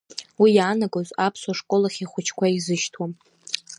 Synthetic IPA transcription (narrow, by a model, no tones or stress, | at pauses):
wijaːnaɡozapʰswaʂkʼolaχʲiχʷʊt͡ʃʰkʷʰaizɨʃtʰwam